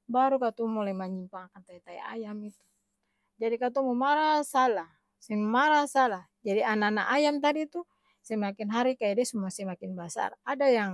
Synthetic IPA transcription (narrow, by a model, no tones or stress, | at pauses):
baɾukat̪ɔmɔlɛmaɲimpaŋakant̪ait̪aḭa̰jamit̪u̥ | d͡ʒadikat̪ɔmumaɾasalah | sɛmaɾasalah | d͡ʒadianana̰ʔajamt̪adit̪u | sɛmakinɦaɾikajadɛsumuasɛmakinbasa̰radajaŋ